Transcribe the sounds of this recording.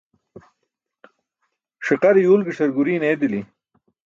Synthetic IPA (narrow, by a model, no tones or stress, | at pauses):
ʂiqɐɾijuːlɡiʂɐɾɡuɾiːneːd̪ili